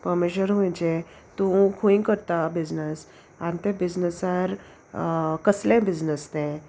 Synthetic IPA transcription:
pəɾmiɕəɾmə̃nd͡ʑe | t̪ũkʰuĩkəɾt̪abid͡znəs | ãnt̪ẽbid͡znəsaɾ | kəslẽbid͡znəst̪ẽ

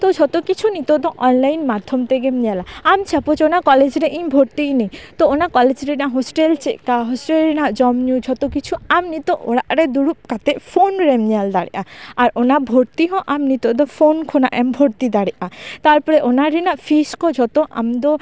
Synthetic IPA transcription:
t̪od͡ʒʱɔt̪okit͡ʃʰunit̪od̪ɔʔɔnlajnmat̪ʰɔmt̪eɡemɲɛlaamt͡ʃʰapot͡ʃonakɔled͡ʑɾeʔĩmbʱoɾt̪inejt̪oonakɔled͡ʒɾenaɦosʈelt͡ʃeʔkaɦɔsʈelɾinaʔd͡ʒɔmnud͡ʒʱɔt̪okit͡ʃʰuamnit̪oʔoɽaʔɾed̪uɾup̚kat̪eʔfʰonɾemɲald̪aɽḭʔaaɾonabʱoɾt̪iɦɔ̃ʔamnit̪od̪ɔfʰonkʰonaʔɛmbʱoɾt̪id̪aɽiʔat̪aɾpɔɾeʔonaɾinaʔfʰiskɔd͡ʒʱɔt̪oʔa̰md̪ɔ

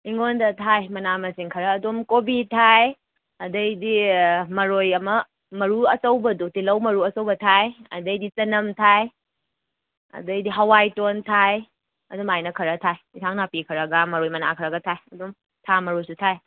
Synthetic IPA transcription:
iŋondɐtʰajmɐnamɐsiŋkʰɐɾɐːdomkobitʰaj | ɐdɐjdimɐɾojɐmɐ | mɐɾuɐsɐwbɐdutilɐwmɐɾuɐsɐwbɐtʰajɐ̰dɐjdit͡ʃɐnɐmtʰaj | ɐ̰dɐjdiɦɐwajtontʰaj | ɐdumajnɐkʰɐɾɐtʰaj | itʰaŋnapikʰɐɾɐɡɐmɐɾojmɐna̰kʰɐɾɐɡɐtʰajɐdom | tʰamɐɾojsutʰaj

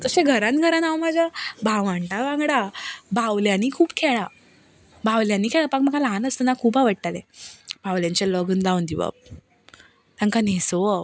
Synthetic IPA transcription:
t̪əɕẽɡʱəɾãnɡʱəɾãnaʋmad͡ʑabaʋãɳʈaʋãŋɡɽabaʋljaniːkʰuːbkʰɛɭa | baʋljãnːiːkʰɛɭapakməɡalanəst̪ənakʰuːbaʋəʈt̪alebawljãɲt͡ɕelɔɡund̪aund̪iʋa̰b̚ | t̪ãŋkaneso

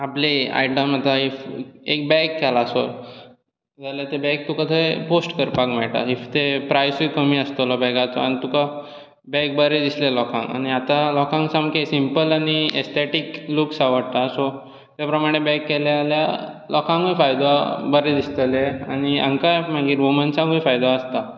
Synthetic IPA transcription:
aplea̰jʈəmat̪aefek̚bɛkːɛlasoɾ | d͡zʱaljat̪ebɛk̚t̪ukat̪ʰəeposʈkəɾpakmɛɭʈa̰ift̪epɾajsujkəm̤iəst̪əlɔbɛkat͡sɔ̰añit̪uka | bɛk̚bəɾed̪islelɔkʰã̰ŋka̰ɽ̃iat̪alɔkʰãŋɡsãmkesimpəlaɽ̃iḛst̪ʰeʈikluksaʋəɽt̪asɔ | t̪japɾəmaɽ̃ebɛkːɛljaːlja | lɔkʰãŋɡujfajd̪abəɾed̪ist̪əlea̰ɽ̃iə̰̃ŋkam̤aɡiːɾʋumənsãɡujfajd̪aəst̪a

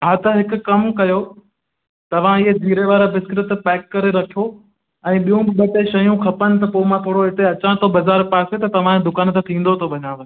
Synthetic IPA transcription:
ɦaːt̪ɐɦɪkʊkɐmkɐjo | t̪ɐʋ̤ãɪɦed͡ʑiːɾeʋaːɾabɪskɾɪt̪pɛːkːɐɾeɾɐkʰjo | ɛ̃ːɓijũbɪɓɐʈeʃɐjũkʰɐpənɪ̆t̪ɐpoːɪmãt̪ʰoːɽoɦɪt̪eɐt͡ɕãt̪ʰobɐzaːɾpaːset̪ɐt̪ɐʋ̤ãed̪ʊkaːnt̪ɐt̪ʰĩːn̆d̪ot̪ʰobʱɐɲaːʋənɪ̆

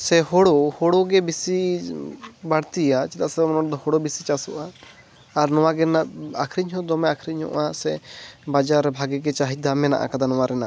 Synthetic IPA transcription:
sɛɦɔɽɔhɔɽɔɡɛbisi | baɽt̪iat͡ʃit̪aʔsɛmɔnɔd̪ɔhɔɽɔbisit͡ʃasuʔaː | ɾnɔwaɡɛnaakʰɾiɲɦɔd̪ɔmɛakʰɾiɲhɔ̰ʔasɛbad͡ʒaɾɛbʱaɡɛɡɛt͡ʃaɦid̪amɛna̰ʔa̰kad̪anɔwaɾɛna

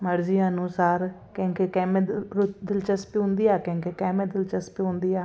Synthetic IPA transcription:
məɾzijãːnũːsaːɾkẽːŋkeːkɛːmeɾʊd̪ɪlt͡ʃəspiːɦʊ̃nd̪iːaːkẽːŋkekɛːmẽːd̪ɪlt͡ʃəspiːɦʊ̃nd̪iːaː

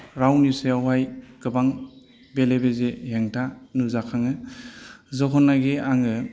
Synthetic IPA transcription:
ɾawniseawajkɯbaŋ | belebezeheŋtʰanuzakʰaŋɯ | zɔɦɔnːaɡeaŋɯ

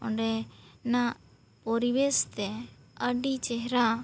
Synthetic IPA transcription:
ɔ̰ɳɖɛna | pɔɾibest̪ɛ | əɖit͡ʃɛɦɾa

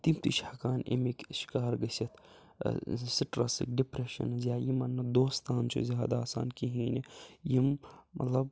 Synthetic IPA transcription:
t̪imt̪iʃhɐkaːnḭmikʃi̥kaːɾɡɐsɐt̪ʰ | siʈɾɐsḭk̚ɖipɾeʃɐ̰nzʲjaːjimɐnːɐd̪oːst̪ʰaːnt͡ʃʰo̰zjaːd̪aːsa̰ːnkiɦiːnejimmɐ̰t̪lɐb

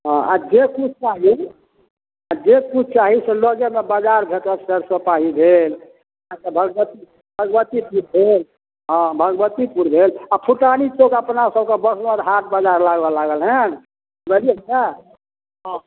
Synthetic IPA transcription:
ɦɔ̃a̰d͡ʒekut͡ʃʰt͡ʃaɦi | ad͡ʒekut͡ʃʰt͡ʃaɦiselɔɡemebad͡ʒaɾbʱet̪əɾsəɾsəpaɦibʱel | ãkebʱəɡbət̪i | bʱəɡbət̪ipuɾbʱel | ɦɔ̃bʱəɡbət̪ipuɾbʱelapʰuʈanit͡ʃokəpnasəb̚kebəsməɾɦaʈ̪̚bad͡ʒaɾlaɡbɔlaɡəlɦɛn | bəlia | ɦɔ̃

